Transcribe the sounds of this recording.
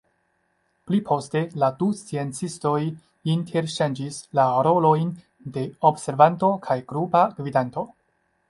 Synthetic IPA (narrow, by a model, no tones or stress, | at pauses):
plipʰo̞ste̞ladust͡sie̞nt͡sisto̞j | intʰe̞ɾʃand͡ʒislaɾo̞lo̞jn | de̞obse̞ɾvanto̞kʰajɡɾupakvidanto̞